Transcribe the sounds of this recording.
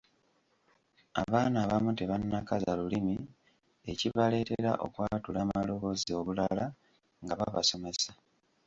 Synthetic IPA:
a̰βaːnaːβamuteβanːakazalulimi | e̞ciβale̞ːte̞ɾa̰ʔo̞̰kwaːtulaːmalo̞βo̞zio̞βulala | ŋɡaβaβaso̞me̞sḁ

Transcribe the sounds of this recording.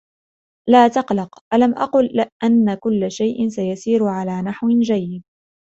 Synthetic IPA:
laːt̪ɑqlɑqʔalamʔɑ̰qʊlːɪʔanːakʊlːaʃajʔɪnsajasiːɾʊʕalaːnaħwɪd͡ʒajːɪd̪̚

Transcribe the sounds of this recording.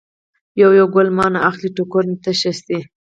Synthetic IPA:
jawjawɡʊlmɑnaʔaxliʈukoɾnt̪əʃast̪i

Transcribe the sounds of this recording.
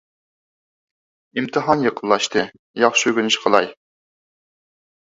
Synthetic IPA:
imt̪ʰɨɦɑnjəqʰəllˠːɑʃt̪ʰɨ | jɑχʃøɡʲynɪʃqʰəlˠɑj

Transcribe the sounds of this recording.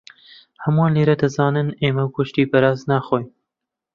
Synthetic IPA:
hɐmwaːnleːɾɛd̪ɐzɑːnɨneːmɐwkʊʃt̪iːpɐɾɑːznaːxoːj

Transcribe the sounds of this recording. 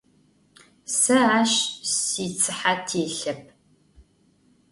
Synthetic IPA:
sɐaːʃsiːt͡sʰɨħatʰeːɬɐp̚ʰ

